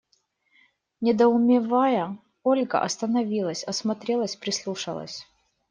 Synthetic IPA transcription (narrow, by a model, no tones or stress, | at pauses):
nʲɪd̪əʊmʲɪvajə | olʲɡə̰ʔɐ̰st̪ənɐvʲilˠəsʲɐsmɐt̪ɾʲelˠəsʲpɾʲɪslˠuʂə̰lˠə̰sʲ